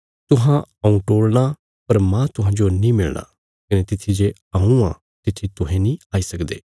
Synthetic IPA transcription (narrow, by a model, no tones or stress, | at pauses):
t̪ʊɦãɐũʈoːɽña | pɐɾmãt̪ʊɦãːd͡ʒonĩmɪlnʔa̰ | kɐnet̪ɪt̪ʰːid͡ʒe | ɐũã̰ː | t̪ɪt̪ʰit̪ʊɦẽnĩaːisɐkd̪ḛː